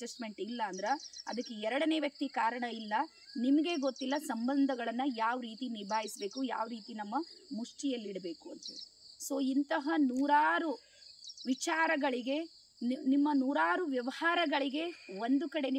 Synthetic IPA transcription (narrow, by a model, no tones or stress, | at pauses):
d͡ʒɐsʈme̞ɳʈilːɐːnd̪ɐɾeɐ̰d̪ɐkːeɛɾɐɽɐne̞ːʋjɐk̚t̪ikaːɾɐɳɐilːɐ | nimɐɡe̞ɡot̪ːilːɐsɐmbɐnd̪ʱɐɡɐɭɐnːɐjaːʋɾiːt̪iniɾbʱaːjisbe̞ːkuja̰ːʋɾiːt̪inɐmːɐmuʂʈijɐlːiɽɐbe̞ːkuɐnt̪uso̞ːint̪ɐɦɐnuːɾaːɾu | ʋit͡ʃaːɾɐɡɐɭiɡe̞ | nimːɐnuːɾaːɾuʋjɐʋɐhaːɾɐɡɐɭiɡe̞ʋond̪ukɐɽe̞n